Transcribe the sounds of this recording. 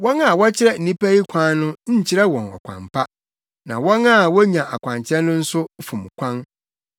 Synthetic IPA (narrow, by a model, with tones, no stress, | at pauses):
wɔ̃˦na˨wɔ˦t͡ɕʰɪ˦ɾɛ˦n̩˨ĩ˦pʰæ˦i˦kʷʰã˦nʊ̃˦ɲ̩˦˨t͡ɕʰɪ˦ɾɛ˦wɔ̃˨nɔ̰˨kʷʰã̰˨mpʰa˦ | nã̰˨wɔ̃˦na˦˨wɔ˦ɲã˨ʔa˨kʷʰã˨ɲt͡ɕʰɛ̃˦nː˦ʊ̃˦n̩˦sʊ˦fʊ̃˨m˨kʷʰã˦n